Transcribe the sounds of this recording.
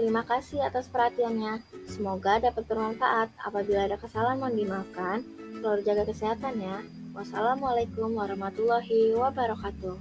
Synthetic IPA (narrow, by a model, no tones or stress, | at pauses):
t̪əɾimakasiat̪aspərhat̪ianɲasəmoɡadapat̪̚bərmanfa̰ʔat̪̚a̰pabilaːdakəsalanmandimakankəladd͡ʒaɡakəsiɦat̪anja | wasalamalajkumwaɾɔhmat̪ulːɔɦiwabaɾɔkat̪uh